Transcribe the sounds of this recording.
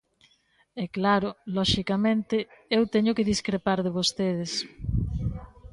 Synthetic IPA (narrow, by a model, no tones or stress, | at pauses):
ɛklaɾʊlɔʃikamẽnt̪ɪewt̪ɛɲʊkɪðiskɾepaɾðeβ̞ost̪eð̞ɪs